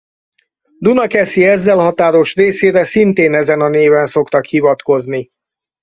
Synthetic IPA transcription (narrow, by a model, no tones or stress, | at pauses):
d̪unɒkɛsiɛzːɛlhɒt̪aːɾo̞ʃreːseːɾɛsint̪eːnɛzɛnɒneːvɛnso̞kt̪ɒkhivɒt̪ko̞zni